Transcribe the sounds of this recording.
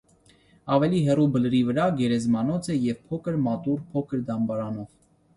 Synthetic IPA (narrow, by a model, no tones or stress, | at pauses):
ɑvɛliɦɛrubələɾivəɾɑɡɛɾɛzmɑnɔt͡sʰɛjɛvpʰɔkʰəɾmɑt̪uɾpʰɔkʰəɾd̪ɑmbɑɾɑnɔv